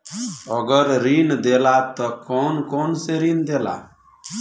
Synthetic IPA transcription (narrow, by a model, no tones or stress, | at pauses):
əɡəɾɾind̪elat̪ɔkɔnkɔnseɾind̪ela̰